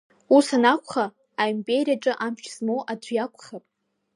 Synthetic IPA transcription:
usanakʷʰʼχaː | impʲʼeɾijaʈ͡ʂʼɨʔamʃzmowʔadʷʰᶣjakʷʰʼχapʼ

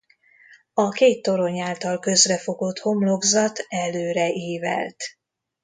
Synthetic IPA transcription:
ɒkeːt̪ːo̞ɾo̞ɲaːlt̪ɒlkø̞zrɛfo̞ɡot̪ho̞mlo̞ɡzɒt̪ɛløːɾɛʔiːvɛ̰lt̪

